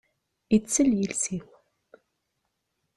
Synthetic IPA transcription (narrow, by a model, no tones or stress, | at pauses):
it͡sːəljilsiw